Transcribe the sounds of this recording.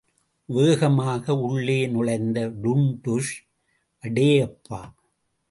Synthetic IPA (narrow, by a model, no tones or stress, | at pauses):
ʋeːɣɐmaːɣɐʊɭːeːnʊɻɐɪnd̪ɐɖʊɳdʊʂ | ʔɐɽeːɐpːaː